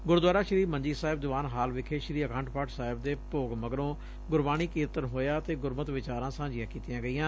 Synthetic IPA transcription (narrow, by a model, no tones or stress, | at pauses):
ɡʊɾd̪waːɾaːʃəɾiːməɲd͡ʒiːsaːɪb̚d̪ʊʋaːnɦaːlʋɪkʰeːʃɾiːəkʰãːɳʈpʰaːʈsaːɦɪbd̪eːpoːɡməɡəɾõː | ɡʊɾbaːñiːkiːɾt̪əɾɦoːjaːt̪eːɡʊɾmət̪ʋɪt͡ʃaːɾãːsãːd͡ʒɪjãːkiːt̪ɪjãːɡəiːãː